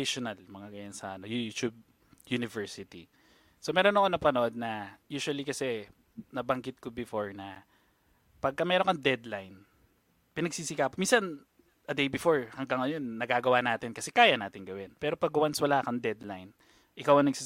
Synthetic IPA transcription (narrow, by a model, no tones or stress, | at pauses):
ʃonɐlmɐŋaɡɐjansɐʔɐnojut̪ub̚ | junɪvɛɹsɪt̪i | somɛːɾo̞nɐkonɐpɐnoʔo̞d̪̚nɐjuːʃʊɐlikɐsɛ | nɐbɐŋɡɪt̪̚kobɪfoɹnɐ | pɐɡ̚kɐmɛːɾonkɐŋd̪ɛd̪lajn | pɪnɐɡ̚siːsɪkaːpminsɐn | ʔɐd̪ejbɪfoɹhɐŋɡɐŋːɐjo̞nːɐɡaːɡɐwanaːt̪ɪnkɐsɛkaːjɐnaːt̪ɪŋɡɐwɛnpɛːɾo̞pɐɡwanswɐlaːkɐŋd̪ɛd̪lajn | ʔɪkawʔɐŋnɐɡ̚siː